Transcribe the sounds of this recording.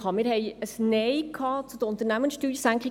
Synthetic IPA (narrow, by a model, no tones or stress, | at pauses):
ɑmɪɾɦɛjəsnɛɪkʰɑːt͡sud̥̪əɾʊnt̪əɾnæmənsʃtyːdjsæŋklɪ